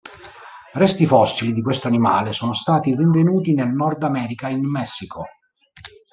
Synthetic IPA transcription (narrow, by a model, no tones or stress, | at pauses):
rɛst̪ifɔsːilid̪ikwest̪oanima̰ːlesoːnost̪aːt̪iriɱvenuːt̪inelnɔrd̪amɛːɾikainmɛsːikʰo